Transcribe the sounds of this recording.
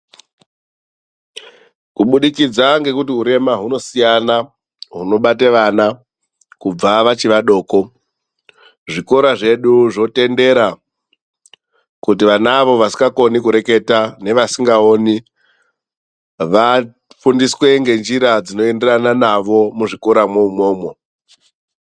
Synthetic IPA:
kuɓuɗikid͡zaŋɡe̞kutiuɾe̞maɦuno̞sijana | ɦuno̞ɓateʋana | kub͡vaʋat͡ʃiʋaɗo̞ːko̞ | ʐiko̞ɾaʐe̞ɗuʐo̞te̞nde̞ɾa | kut̬iʋanaʋo̞ʋasi̥ŋɡako̞nikuɾe̞ke̞tane̞ʋasiŋɡao̞ni | ʋa | fundiswe̞ŋɡe̞nd͡ʒiɾad͡zino̞e̞nde̞ɾananaʋo̞muʐiko̞ɾamweumo̞ːmo̞

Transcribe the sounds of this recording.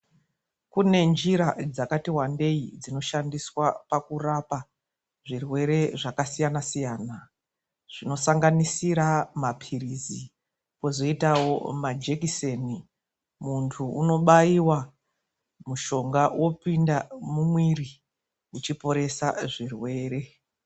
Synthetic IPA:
kune̞nd͡ʒiɾad͡zakatiwande̞id͡zino̞ʃandiswapakurapa | ʐirwe̞ɾe̞ʐakasijanasijaːna | ʐ̥ino̞saŋɡanisiɾamapʰirizi | po̞zo̞itawo̞mad͡ʒe̞kiseni | muntʰuuno̞ɓaiwa | muʃo̞ŋɡawʔo̞pindamumwiri | ut͡ʃipo̞ɾe̞saʐirwe̞ːɾe̞

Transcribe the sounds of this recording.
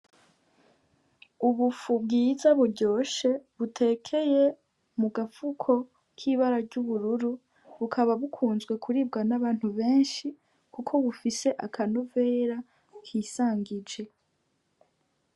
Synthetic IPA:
uβufub̚ɡiːzaβuɾɟo̞ːʃe̞βutʰe̞ːkʰe̞je̞ | muɡafukʰo̞ | kʰiːβaɾaɟuβuɾuɾu | βukʰaβaβukʰuːnzɡwe̞kʰuɾib̚ɡanaβaːn̥huβe̞ːnʃi | kukʰo̞βufise̞ʔakʰanove̞ːɾa | kʰiːsaːŋɡid͡ʒe̞

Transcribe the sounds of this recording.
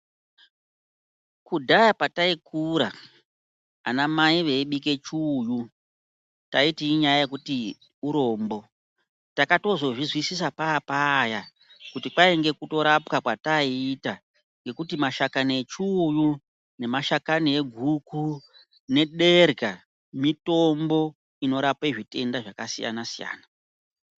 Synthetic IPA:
kudʱajapataikʰuɾa | a̰namaiʋe̞iɓike̞t͡ʃuːju | taitiːɲajajekuti | uɾo̞mbo̞ | takato̞zo̞ʐizwisisapaːpaja | kutipaeŋɡe̞kuto̞ɾapkakwataiːta | ŋɡe̞kutimaʃakanet͡ʃuju | ne̞maʃakanie̞ɡʱukʰu | ne̞ɗe̞rɡʱa | mito̞mbo̞ | ino̞ɾapeʐite̞ndaʐakasija̰nasija̰ːna

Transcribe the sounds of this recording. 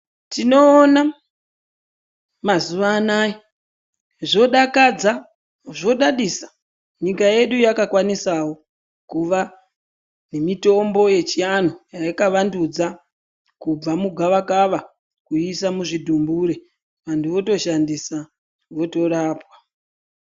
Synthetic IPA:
tino̞ːna | mazuʋaːnaːji | ʐo̞ɗakad͡za | ʐo̞ɗaɗisḁ | ɲikaje̞ɗujakakwanisawo̞ | kuʋa | ne̞mito̞mbo̞je̞t͡ʃijanojajakaʋandud͡za | kub͡vamuɡʱaʋakaʋa | kuisamuʐidʱumbuɾe | ʋantʰuʋo̞to̞ʃandisa | ʋo̞to̞ɾaːpwḁ

